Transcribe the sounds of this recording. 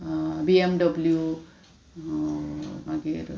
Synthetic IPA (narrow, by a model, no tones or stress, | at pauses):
biemɖʌblju | mãɡeɾ